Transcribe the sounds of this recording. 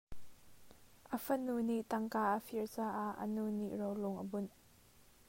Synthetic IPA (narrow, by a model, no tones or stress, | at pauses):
ʔəfənuniʔt̪ɐŋkaːʔəfiɹt͡saːʔaʔə̰nuniʔrowlʊŋʔəbʊn